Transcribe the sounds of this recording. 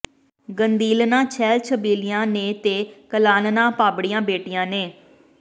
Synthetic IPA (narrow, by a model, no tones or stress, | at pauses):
ɡənd̪iːlnãːt͡ʃʰɛːlt͡ʃʰəbiːlɪjãːnẽːt̪eːkəlaːnnãːpaːbɽɪjãːbeːʈɪjãːnẽː